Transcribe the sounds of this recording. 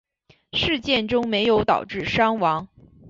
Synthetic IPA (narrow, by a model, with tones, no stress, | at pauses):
ʂɻ̩˥˧t͡ɕjɛ˥˩nʈ͡ʂʊ˥ŋme˧˥ɪjo˧˥ʊt̪ɑ̰˨˩ʊʈ͡ʂɻ̩˥˩ʂɑ˥ŋwɑ˧˥ŋ